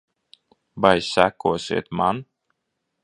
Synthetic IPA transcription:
bajsːækuɔsʲḭɛt̪man

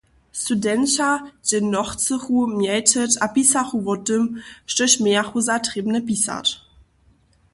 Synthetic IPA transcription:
studɛnɕadenːɔχt͡səχumjɛjtʰətapisaχuvɔdəmʃtəɕmɛɐχuzatʁibnəpisa̰t

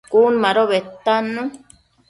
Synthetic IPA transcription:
kunmãɾoβet̪anũ

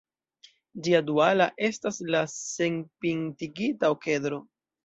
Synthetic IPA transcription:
d͡ʒiadualaʔe̞staslase̞npintiɡitaoke̞dɾo̞

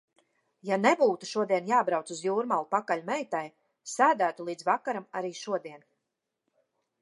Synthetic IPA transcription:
janebuːt̪uʃuɔd̪iɛnjaːbɾawt̪suzjuːɾmalˠupakalʲmɛjt̪aj | sæːd̪æːt̪ulˠiːd̪zvakaɾamaɾiːʃuɔd̪iɛn

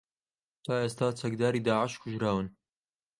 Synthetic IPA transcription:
t̪ʰaːʔeːst̪aːt͡sʰɐk̚d̪aːɾiːd̪aːʕɪʃkʰʊʒɾaːwɨn

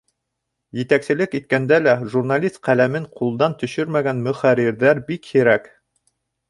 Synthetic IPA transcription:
jɘ̆t̪æksɘ̆lɘkit̪̚kænd̪ælæʒurnalʲist̪̚qælæmɘɴqʰulˠd̪ɑnt̪ɵ̆ʃɵɾmæɡænmɵ̆χæɾiɾðæɾbikhiɾæk

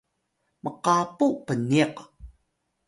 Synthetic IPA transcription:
mʔəqapupəniq

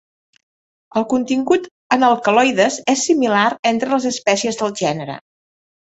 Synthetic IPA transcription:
əlˠkunt̪iŋɡut̪ | ənəlˠkəlɔjðəzesːimilaɾent̪ɾələzəspɛsiəzðəlˠʒɛnəɾə̰

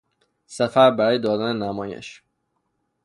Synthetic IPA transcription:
sæfæɾbæɾɒːjed̪ɒːd̪ænenæmɒːjḛʃ

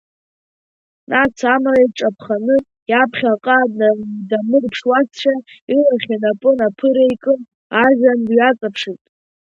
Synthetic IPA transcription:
nʔat͡sʰamraiʈ͡ʂʼapʰχanɨ | japʰχʲaqʼadnadamɨrpʰʂwat͡sʰt͡ʃʷʰailaχʲinapʼɨnapʰɨɾejkʼɨn | aʒʲandɥat͡sʼapʰʂitʼ

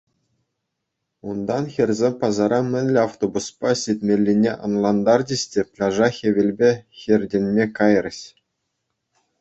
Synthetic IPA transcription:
und̪ɑnxʲerʲzʲemʲpɑzɑɾɑmʲɘ̆nʲlʲeɑft̪obuspɑsʲitʲmʲelʲːinʲeʔɤ̰̆nlˠɑnd̪ɑrd͡ʑĭɕʲtʲepʲlʲɑʐɑxʲeʋʲĕlʲbʲexʲerʲdʲenʲmʲekɑjrʲɕʲ

